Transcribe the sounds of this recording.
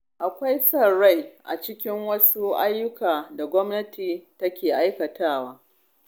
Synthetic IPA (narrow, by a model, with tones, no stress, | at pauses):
ʔa˨kʷa˦jsɐ˦˨ɽa˦jʔa̰˨t͡ʃɪ˦kʲɪ˦ŋwɐ˦su˦ʔa̰˦jːʊ˦kaː˨da˨ɡʷɔ˦mnɐ˦tʰiː˨tɐ˦kʲeː˨ʔa˦jkɐ˨tʰaː˦waː˦